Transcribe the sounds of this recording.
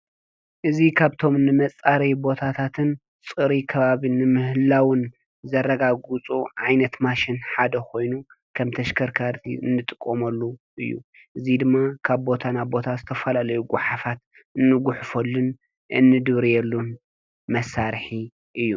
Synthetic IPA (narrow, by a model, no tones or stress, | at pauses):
ʔɨzikʰaβt̪ʰo̞mnɨmɐt͡sʼːaɾɐjbo̞t̪ʰat̪ʰat̪ʰɨn | t͡sʼɨɾikʰɐβaβinɨmɨhɨlawɨn | zɐrɐɡaɡut͡sʼuʕajnɐt̪maʃɪnħad̪ɐkʰo̞jnu | kʰɐmt̪ʰɐʃkʰɐɾkʰaɾt̪ʰḭɨ̰nːɨt̪ʼɨkʼːomɐlːuʔɨjːṵ | ʔɨzid̪ɨmːakʰaβbo̞t̪ʰanabo̞t̪ʰazɨt̪ʰɐfɐlalɐjuɡʷʊħafat̪ | ɨnːɨɡʊħfolːun | ɨ̰nːɨd̪ɨβɾijɛlːun | mɐsːaɾħi | ʔɨjːu